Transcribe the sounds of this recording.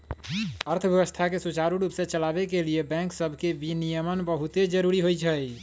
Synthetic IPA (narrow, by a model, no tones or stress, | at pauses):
əɾt̪ʰəbjəbəst̪ʰakesut͡ʃaɾuɾupsẽt͡ʃəlabekeliebɛ̃ŋksəbʱkebinijəmənbəɦut̪ed͡ʒəɾuɾiɦojt͡ʃʰəj